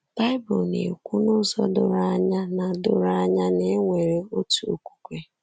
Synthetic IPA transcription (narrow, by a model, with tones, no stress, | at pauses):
b̥a˦ɪ˦bʊ˨lnḛ˨kʷu˦nʊ˦zɔ˦dʊ˨ɾa˦ɲa˦na˨dʊ̰˦ɾa˦ɲa˦ne˦ŋʷe˨ɾe˨o˦tu˨o̰˨kʷu̥˨kʷe˦